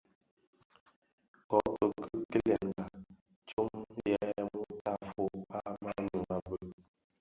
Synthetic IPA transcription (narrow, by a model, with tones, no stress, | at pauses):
kɔ˨˦kə˨kə˦kə˦lɛ˨ŋ˨ɡa˨ | t͡ʃu˦mjɛ˨˦mu˦ta˦˨fo˨a˦ma˦nu˨ŋa˨bə˨